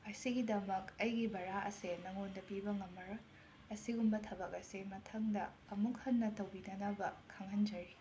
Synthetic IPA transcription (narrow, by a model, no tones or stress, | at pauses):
ɐsiɡidɐmɐkɐjɡibɐɾaʔɐ̰senɐŋondɐpibɐŋɐmːɐɾɐ | ɐsiɡumbɐtʰɐbɐkɐsemɐtʰɐŋdɐːmuk̚hɐnːɐtɐwbinɐnɐbɐkʰɐŋhɐnd͡ʒɐɾi